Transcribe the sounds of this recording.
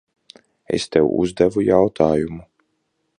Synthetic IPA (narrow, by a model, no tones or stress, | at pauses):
ḛst̪ɛwṵzd̪ɛvujawt̪ʰaːjumu